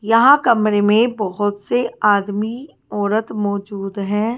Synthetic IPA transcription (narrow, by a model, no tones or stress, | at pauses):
jɐɦãkɐmɾemẽbɔɦʊt̪seaːd̪mi | ɔːɾət̪mɔːd͡ʒuːd̪ɦɛ̃ː